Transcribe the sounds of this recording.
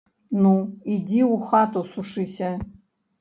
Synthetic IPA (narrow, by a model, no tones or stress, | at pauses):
nuidʲiuxat̪osuʂɨsʲɐ